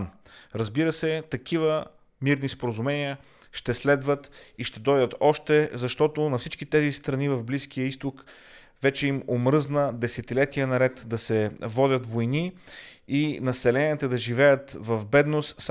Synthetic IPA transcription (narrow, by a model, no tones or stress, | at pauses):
nɾəzbiɾəsɛt̪ɐk̟ʰivə | miɾnispoɾəzumɛnijə | ʃt̪ɛslɛd̪vət̪iʃt̪ɛd̪ɔjd̪ət̪ɔʃt̪ɛzɐʃt̪ɔt̪onɐfsit͡ʃkit̪ɛzist̪ɾɐnivɐvbliskijəist̪ok | vɛt͡ʃɛimomɾɤznəd̪ɛsɛt̪ilɛt̪iənɐɾɛt̪d̪ɐsɛvɔd̪ʲət̪vojniinɐsɛlɛniət̪əd̪ɐʒivɛjət̪vɐvbɛd̪nost̪s